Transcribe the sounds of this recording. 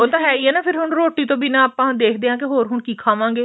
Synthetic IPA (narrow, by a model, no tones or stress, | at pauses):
oːt̪ãːɦɛːiːɦɛːnaːpʰɪɾɦʊɳɾoːʈiːt̪õːbinãːaːpãːd̪eːkʰd̪eːãːkɪɦoːɾɦʊɳkiːkʰaːʋãːŋɡeː